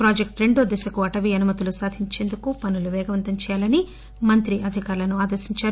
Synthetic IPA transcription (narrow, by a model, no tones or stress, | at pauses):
pɾaːd͡ʒek̚ʈɾe̞ɳɖoːd̪ɛsɐkuɐʈɐʋiɐnumɐt̪ulusaːd̪ʱiɲt͡ʃe̞ːnd̪ukupɐnuluʋɛːɡɐʋɐnt̪ɐɲt͡ʃɛːjaːlɐni | mɐnt̪ɾiʔɐd̪ʱikaːɾlɐnuaːd̪ɐɾʃiɲt͡ʃaːɾu